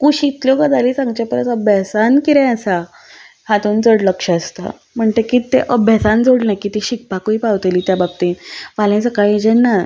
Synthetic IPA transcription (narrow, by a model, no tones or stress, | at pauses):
kuɕit̪ljɔkəd͡zalisãŋɡt͡ɕapəɾətəbjasankiɾɛ̃əsa | hat̪uːnd͡zəɽləkʂəəst̪a̰ | m̤əɳt̪ekit̪eʔəbjasand͡zoɽnajkit̪iɕik̚pakuipawt̪eliːt̪jabab̚t̪ĩʋalẽsəkajd͡ʑɛnːa